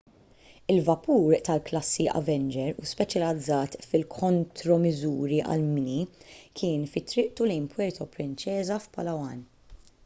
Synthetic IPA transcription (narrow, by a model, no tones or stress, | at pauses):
ɪlvɐpuːɾt̪ɐlklɐsːiʔɐ̰vɛnd͡ʒɛɾuspɛt͡ʃjɐlɐd͡zːɐːt̪fɪlkʰɔnt̪ɾɔmɪzuːɾiʔɐ̰lmɪnikʰɪːnfɪt̪ːɾɪʔt̪ulɛnpʰwɛɾt̪ʰɔpɾɪnt͡ʃɛːzɐfpɐlɐwɐn